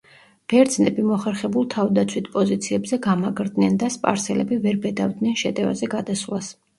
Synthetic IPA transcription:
b̥ɛɾd̪znɛbimɔχɛɾχɛbulˠt̪ʰavd̪at̪sʰwit̪ʰpʼɔzit̪sʰiɛbzɛɡamaɡɾd̪nɛnd̪aspʼa̰ɾsɛlɛbivɛɾbɛd̪avd̪nɛnʃɛt̪ʼɛva̰zɛɡad̪aslˠas

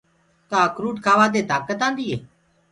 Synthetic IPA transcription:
t̪aːkɾuːʈkʰaːʋaːd̪eːt̪aːkət̪ãːnd̪iːeː

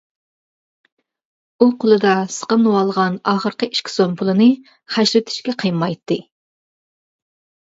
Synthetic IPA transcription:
uqʰʊlˠɨd̪ɑsə̥qəmnɨwɑlˠʁɑnɑːχəɾqəi̥ʃkʲʰi̥sompʰʊlˠɨnɨ | χæʃɾɪt̪ʰɪ̥ʃkʲɛqʰəjmɑjt̪ːɨ

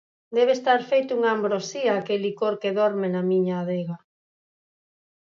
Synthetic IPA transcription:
d̪ɛβ̞est̪aɾfejt̪ʊuŋaːmbɾosiɐaːkelikoɾkeðɔɾmenamiɲaːðeɣa

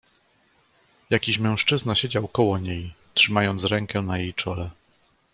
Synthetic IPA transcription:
jakʲiɕmɛ̃w̃ʂt͡ʂɘznaɕed͡ʑawkɔwɔɲejtʂɘmajɔnt̪sɾɛŋkɛnajejt͡ʂɔlɛ

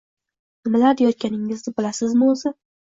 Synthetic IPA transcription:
nɪmalaɾd̪ejɒt̪̚kʲanɪŋɪznɪbɪlasɪzmɪozɪ

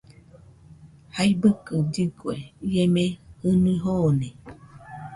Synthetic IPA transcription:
haibɨkɨd͡ʒɨkweiemehɨnuiɦone

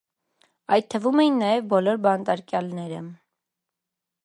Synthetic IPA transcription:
ɑjt̪̚t̪ʰːəvumɛjinːɑjɛvbɔlɔɾbɑnt̪ɑɾkjɑlnɛɾə

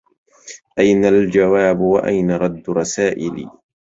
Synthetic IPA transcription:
ʔajnald͡ʒawaːbwa̰ʔa̰jnaɾˤɑd̪ːɾˤɑsaːʔɪlḭː

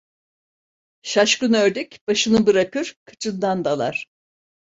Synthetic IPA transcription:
ʃaʃkɯnøɾd̪icb̥aʃɯnɯbɯɾakɯɾ̥kʰɯ̥t͡ʃʰɯnd̪and̪alˠa̰ɾ̥

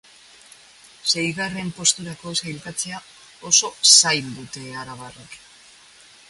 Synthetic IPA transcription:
se̞jɣare̞mpo̞st̪uɾako̞sajlkat͡se̞a | o̞so̞sajld̪ut̪e̞aɾaβarok

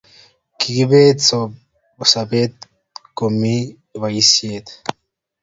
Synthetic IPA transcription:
kʰiɡiβet͡so | busabet̪̚ | komi | βajisjet̪

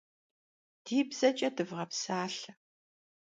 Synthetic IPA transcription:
d̥iːbz̥ɐt͡ʃʼɐdɨvʁɐpsaːɬɐ

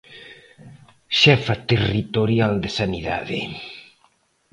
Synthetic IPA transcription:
ʃɛfat̪erit̪oɾjald̪esaniða̰ðḛ

